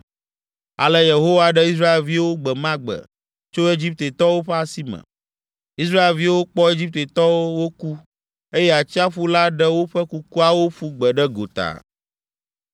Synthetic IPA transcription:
a̰˨lə˦je˨ɦo˦wa˦ɖɛ˦i˦s̬ɾa˦e˨lvi˦wo˦ɡ͡bɛ˨mã˦ɡ͡bə̰˨ | t͡ʃo˦e˦d͡ʑi˦p̚t̪e˨t̪ɔ˦wo˦ɸɛ˦a˦si˦mə̰̃˨ | i˦s̬ɾa˦e˨lvi˦wo˦k͡pɔ˦e˦d͡ʑi˦p̚t̪e˨t̪ɔ˦wo˦wo˦ku˦ | e˦jɛ˦a˨t͡ɕi˦a˦ɸu˦la˦ɖɛ˦wo˦ɸɛ˦ku˦ku˦a˦wo˦ɸu˦ɡ͡bə˨ɖɛ˦ɡo̰˨t̪a̰˨

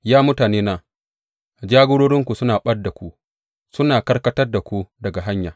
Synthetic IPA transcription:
jaː˦mʊ˦taː˨neː˦naː˨ | d͡ʒaː˦ɡʷoː˦ɽoː˦ɽɪ˦ŋkʷu˨sʊ˦naː˨ɓɐ˦rda˨kʷu˦ | sʊ˦naː˨kɐ˦rkɐ˦tɐ˦rda˨kʷu˦dɐ˨ɡa˨ɦa˦ɲja̰ː˨

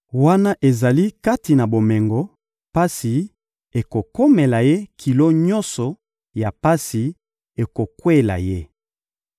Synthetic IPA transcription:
wa˦na˦ʔe˨za˨li˦ka˦ti˨na˨bo˨mɛ˨ŋɡɔ˨ | pa˦si˨ | e˨ko˨ko˦me˨la˨je˦kʰi˨lo˦ɲɔ̃˦nsɔ˨ | ja˨pa˦si˨ | e˨ko˨kwe˦la̰˨je˦

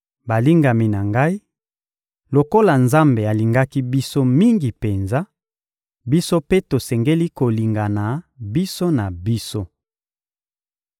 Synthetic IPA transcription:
ba˨li˦ŋɡa˨mi˨na˨ŋɡa˦i˦ | lo˨ko˦la˨nza˦mbe˨a˨li˨ŋɡa˦ki˦bi˦so˦mi˦ŋɡi˨pe˨nza˦ | bi˦so˦pe˦to˨sɛ˨ŋɡe˦li˦ko˨li˨ŋɡa˨na˨bi˦so˦na˨bi˦so˦

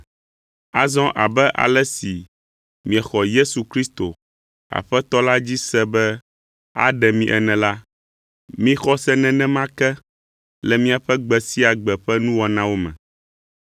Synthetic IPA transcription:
a˨zɔ̃˦ʔa̰˨bɛ˦ʔa̰˨lɛ˦si˨ | mĩ˨ɛ˨xɔ˨je˦su˨kɾi˦st̪o˨ | a̰˨ɸɛ˦t̪ɔ˦la˦d͡ʑi˦sɛ˦bɛ˦ | a̰˦ɖɛ˨mĩ˦ʔɛ̰˦nɛ̃˨la˦ | mĩ˦xɔ˦sɛ˦nɛ̃˨nɛ̃˦mã˦kɛ˦ | lɛ˨mĩ˦a˨ɸɛ˦ɡ͡bɛ˨si˦a˨ɡ͡bɛ˨ɸɛ˦nũ˦wɔ˨nã˦wo˦mɛ̰̃˨

